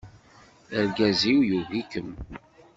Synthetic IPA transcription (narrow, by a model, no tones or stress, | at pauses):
əɾɡæziwjuvikəm